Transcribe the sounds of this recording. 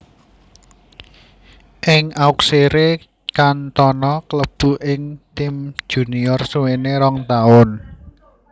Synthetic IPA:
ʔɪŋaukseɾe | kant̪ɔnɔkləb̥ṳʔɪŋt̪ɪmd̥ʒ̥ṳniɔrsuweneɾɔŋt̪aʊn

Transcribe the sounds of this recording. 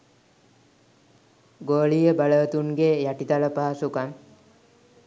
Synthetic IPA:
ɡoːlijəbaləət̪uŋɡejæʈit̪aləpaːsukan

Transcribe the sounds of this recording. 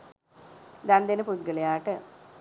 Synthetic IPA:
d̪ɐnd̪ɐnɨput̪̚ɡɐɭɐjaːʈːɨ

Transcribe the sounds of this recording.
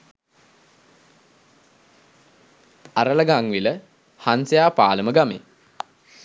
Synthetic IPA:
aɾələɡaŋʋilə | hansejaːpaːləməɡamḛ

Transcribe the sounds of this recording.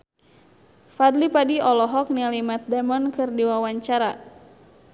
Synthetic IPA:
fad̪lipadiɔlɔɦɔk̚nilimat̪̚damɔnkɨrdiwawaɲt͡ʃaɾa

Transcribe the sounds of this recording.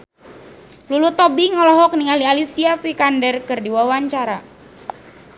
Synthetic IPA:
lulut̪ɔbiŋɔlɔɦɔk̚niŋalialisiafikandərkɨrdiwawaɲt͡ʃaɾa

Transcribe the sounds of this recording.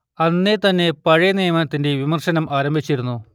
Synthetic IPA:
ɐnːet̪ɐnːe̞pɐɻɐjɐnejɐmɐnɐt̪ːinde̞ʋimɐrʂɐnɐmʔaːɾɐmbʱit͡ɕːiɾunːu

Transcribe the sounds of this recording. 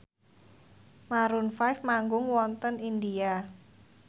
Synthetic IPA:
maɾunfajfmaŋɡʊŋwɔnt̪ənindia

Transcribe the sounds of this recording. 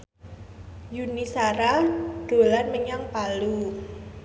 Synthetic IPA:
junisaɾaɖ̥o̤lanməɲaŋpalu

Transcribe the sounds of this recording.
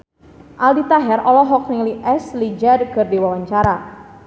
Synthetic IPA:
ʔaldit̪aɦɛɾɔlɔɦɔk̚niŋliʔɛslid͡ʒarkərdiwawaɲt͡ʃaɾa

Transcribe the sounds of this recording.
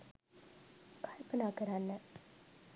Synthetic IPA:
kʰalpənaːkəɾanːə

